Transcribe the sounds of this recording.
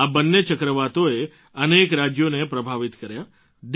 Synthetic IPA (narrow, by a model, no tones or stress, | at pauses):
abənːet͡ʃəkɾəʋat̪oe | ənekɾad͡ʒjonepɾəbʱaʋit̪kəɾja | d̪